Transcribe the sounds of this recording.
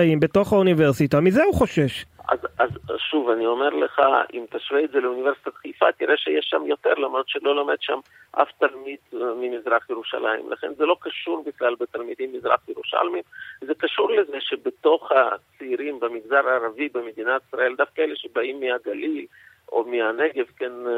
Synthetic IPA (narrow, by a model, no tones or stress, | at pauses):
aimbet̪o̞χauniveʁsit̪amizeuχo̞ʃe̞ʃa̰za̰zʃuvanio̞meʁleχa̰ʔḭmt̪aʃveːtzeleuniveɾsi̥t̪at̪χejfat̪iʁeʃejeʃːa̰mjo̞t̪eʁlamɾod̪ʃelo̞lamedʃam | ʔa̰ft̪almid̪mimizʁaχjeʁuʃa̰la̰jḭmlʔa̰χe̞̰nzelo̞kaʃuɾbiχlalbet̪almid̪imːizʁa̰χjeɾuʃa̰lmimzekaʃuɾlezeʃebet̪o̞χat͡seiɾimbemiɡzaʁaːɾavibemed̪inat̪i̥sʁae̞ld̪afkaeleʃebaimːiaɡalil | o̰mianeɡe̞vken